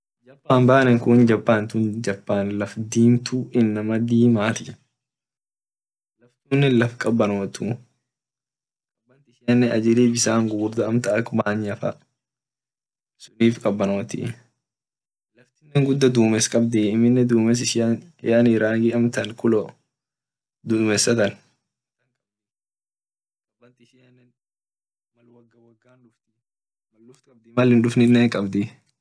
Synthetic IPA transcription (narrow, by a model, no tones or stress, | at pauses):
d͡ʒɐpːaːmbaːnɛŋkʊnd͡ʒɐpːaːnt̪ʊnd͡ʒɐpːaːnlɐfd̪iːmt̪uʔɪnːɐmɐd̪iːmaːt̪ɪ | lɐft̪uːnːɛlɐfkʼɐbːɐnoːt̪u | ɐɐbːɐnt̪ɪʃɪjɐnːɛɐd͡ʒɪliːbɪsaːŋɡuːɾd̪ɐɐmt̪ɐɐkbaːɲɐfɐ̰ | sʊniːfkʼɐbːɐno̞ːt̪ɪ̰ | lɐft̪ɪnːɛŋɡʊd̪ːɐd̪uːmɛskʼɐbd̪ɛɪmːɪnːɛd̪uːmɛs̬ɪʃ | jaːniɾaːɡiɐmt̪ɐnkʊlɔ | d̪ʊmɛsːɐt̪ɐn | ɐŋkʼɐ | ɐbɐnt̪ʃɪɐnːɛn | mɐlwɐɡːɐwɐɡːaːnᶑʊft̪ | mɐlːʊft̪kʼɐb̚d̪ɪmɐlɪnᶑʊfnɪnːeːŋkʼɐbd̪ɪ